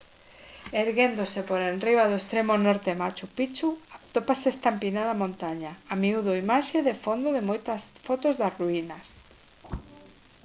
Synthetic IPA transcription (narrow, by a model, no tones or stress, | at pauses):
eɾɣend̪osepoɾenriβaðoest̪ɾemonɔɾt̪emat͡ʃupit͡ʃuat̪opasest̪ampinaðamõnt̪aɲaamiuðʊimaʃeðefond̪oðemojt̪asfɔt̪ozðasruinɐs